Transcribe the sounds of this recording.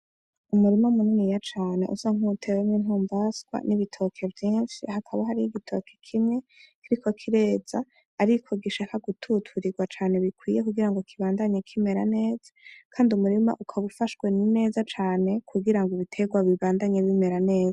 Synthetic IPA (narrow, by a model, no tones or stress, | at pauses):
umuɾimamununijat͡ʃaːne̞̰ʔṵsaŋutʰe̞weminuːmbasɡwa̰niβitʰo̞kʰe̞vjiːnʃihakʰaβaɦaɾihiɡitʰo̞̰kʰe̞̥kʰimŋe̞kiɾikʰo̞kʰiɾe̞ːz̥aː | ɾikʰo̞ɡiʃaːkaɡutʰutʰuɾiɡwat͡ʃaːne̞βikwiːjekuɡiɾaŋɡo̞kʰiβaːndaɲekʰime̞ɾane̞ːz̥ḁkʰaːndiumuɾima̰ʔukʰaβufaʃwe̞nine̞ːzat͡ʃaːne̞kʰuɡiɾaŋɡoβitʰe̞ɡwaβiβaːndaɲeβime̞ɾane̞ːza